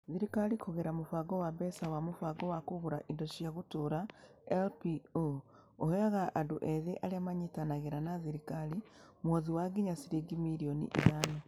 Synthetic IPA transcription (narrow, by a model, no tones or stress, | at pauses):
ðiɾikalikʰoɣeɾamufaɡowabesawamufwaɡowakuɣuɾaʔindoʃijaɣutuɾa | elpio | oheaɣaʔaduʔeðeʔaliamaɲitanaɣeɾanaðiɾikali | mwoðiwaɡiɲasiɾiɡimiɾijonḭʔḭðana